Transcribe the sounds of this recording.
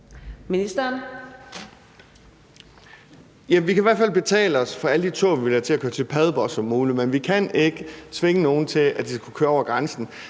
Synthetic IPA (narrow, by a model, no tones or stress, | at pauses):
minisd̥ɐn | jæʋikʰæiʋæɐfæl̰b̥e̝t͡sʰɛ̰ːləɒ̽sfɒ̽æləd̥it͡sʰo̝̰ːʋiʋe̝læt͡sʰe̝lækʰøːɐt͡sʰe̝lpʰæðˠb̥ɒsɒ̽mːuːlimenʋikʰæne̝ɡ̥ət͡sʰʋe̝ŋəno̝ːn̩t͡sʰe̝læd̥ikʰu̥kʰøːɐɒ̰ʊɐɡ̥ʁansn̩